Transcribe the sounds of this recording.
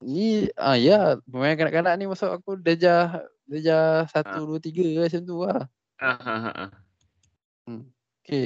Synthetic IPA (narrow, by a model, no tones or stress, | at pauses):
niaijapəmajankana̰ʔkanaʔnimasʊʔakudəd͡ʒah | dəd͡ʒahsat̪uduət̪iɡəasənt̪̬uah | aɦaɦa̰ʔa̰ | əm | oke